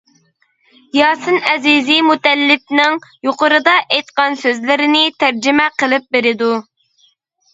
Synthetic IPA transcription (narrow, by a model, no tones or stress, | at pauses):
jɑːsɨnɛzizimut̪ɛlːɪp̚nɪŋjoqʊɾɨd̪ɑʔɛjt̪̚qɑnsøzlɪɾɪnɪt̪ʰæɾd͡ʒɪmɛqəlˠɪp̚beɾɪd̪u